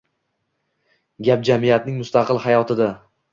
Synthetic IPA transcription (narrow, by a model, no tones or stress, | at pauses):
ɡʲap̚d͡ʒamɪjat̪nɪŋmʊst̪ɑqʰɨlˠhajɒt̪ʰɪd̪a